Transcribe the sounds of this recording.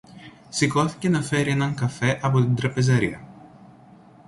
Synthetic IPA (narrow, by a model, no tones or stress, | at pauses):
siko̞θi̥ce̞nɐfe̞ɾienɐŋkɐfe̞ʔɐpo̞t̪ind̪ɾɐpe̞zɐɾḭɐ